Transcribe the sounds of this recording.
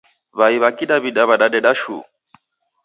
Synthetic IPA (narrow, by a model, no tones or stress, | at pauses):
βaiβakiɗaβiɗaβaɗaɗɛɗaʃṵ